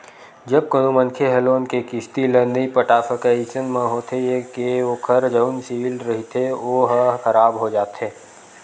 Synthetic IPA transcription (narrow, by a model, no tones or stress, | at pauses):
d͡ʒɐb̚kənomənkʰeɦɛloːnkekɪst̪ilənəipəʈaːsəkɛisənmẽɦoːt̪ʰejekeokʰəɾd͡ʒəʊnsiːlɾɐɦit̪ʰeoɦəxəɾaːbɦod͡ʒaːt̪ɦeː